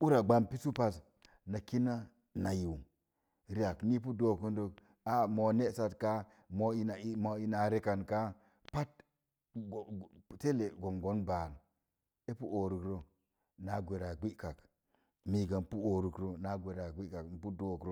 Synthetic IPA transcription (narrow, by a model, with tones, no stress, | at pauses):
u˦ɾa˨ɡ͡ba˦˨mpi˦su˦pa˨s | na˨ki˦na˦ | na˨ji˨w | ɾi˦a˨kni˦p̬u˦do˦˨ku˦n˦do˦k | a˦mo˨ne˦sa˨tka˦ | mo˦i˦na˨i˦mo˨i˦na˨ɾe˦ka˨nka˦ | pa˦t̚ | ɡte˦le˨ɡo˨mɡo˦nba˨n˨ | e˦pu˦ʔo˨ɾu˨kɾo˦ | na˨ɡʷe˨ɾa˨ɡʷi˦ka˨k | mi˨ɡa˨m˨pu˦o˨ɾu˨kɾo˦na˨˦ɡʷe˨ɾa˨ɡʷi˦ka˨km̩˨pu˦do˦˨kɾo˦